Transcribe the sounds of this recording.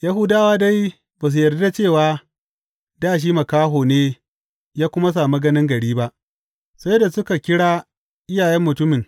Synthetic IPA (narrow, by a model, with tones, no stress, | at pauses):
ja˦ɦʊ˦daː˦waː˦da˦j | baː˨s̬u˨jɐ˨rdda˦t͡ʃeː˦˨waː˦ | daː˦˨ʃ̬iː˦mɐ˨kaː˦ɦoː˨neː˦ | jaː˦kʷʊ˦ma˦s̬aː˨mi˦ɡɐ˦nɪ˦ŋɡɐ˨ɽiː˦ba˦ʔ | sa˦jda˨sʊ˦ka˨kʲɪ˦ɽaː˦ | ʔɪ˦jaː˨jɛ˦mːʊ˨tʊ˦mɪ˨ŋ